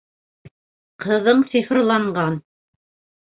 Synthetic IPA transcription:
qɤ̆ðɤɴsifrlˠɑɴɢɑn

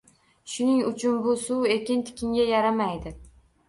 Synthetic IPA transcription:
ʃʊnɪŋʊt͡ʃʰʊnbʊsʊwe̞kʲɪnt̪ʰɪ̥kʲɪŋɡʲajaɾamajd̪ɪ

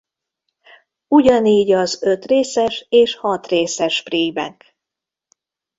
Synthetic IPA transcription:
uɟɒniːɟɒzøt̪reːsɛʃeːʃhɒt̪reːsɛʃpriːbɛ̰k

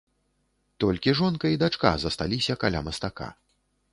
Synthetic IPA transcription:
t̪ɔlʲkʲiʐɔnkɐid̪at͡ʂka̰zɐst̪alʲisʲɐkalʲa̰mɐst̪aka̰

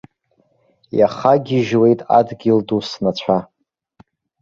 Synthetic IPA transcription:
ja̰χaɡʲiʒwe̞jtʼa̰dɡʲɪldusnat͡ɕʷʰa

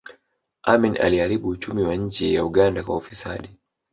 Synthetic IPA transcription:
ʔaminʔa̰liaɾiɓuːt͡ʃumiwaɲ̩d͡ʒɛjauɠandakwaufisa̰ɗi

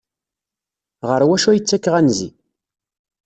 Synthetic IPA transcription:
ʁəɾwæʃujət͡sːækːʁænzḭ

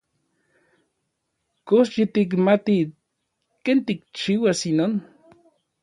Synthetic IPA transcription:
kosjit̪ik̬mat̪i | kent̪ik̚t͡ʃiwasinon

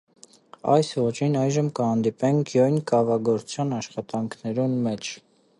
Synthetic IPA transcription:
ɑ̰jsvɔt͡ʃʰinɑjʒəmkəhɑnd̪ipɛŋkʰjɔjnkɑvɑɡɔɾt͡sʰjɑnɑʃχɑt̪ɑŋkʰnɛɾunmɛt͡ʃʰ

